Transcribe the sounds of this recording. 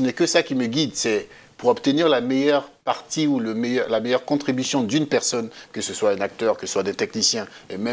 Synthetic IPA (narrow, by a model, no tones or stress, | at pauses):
ənɛkəsakʲiməɡʲid̪sɛ | puʁɔbt̪əniʁlamejœʁpaʁt̪iuləmejœʁlamejœʁkɔ̃t̪χibysjɔ̃d̪ynpɛʁsɔnkəsəswaɛ̃nak̚t̪œʁkəsəswad̪ɛ̃t̪ɛknisjɛ̃emɛ̃